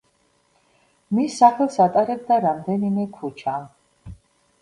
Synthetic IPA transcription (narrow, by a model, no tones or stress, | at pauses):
misːaχɛlˠsat̪ʼaɾɛb̚d̪aɾamd̪ɛnimɛkʰut͡ʃʰa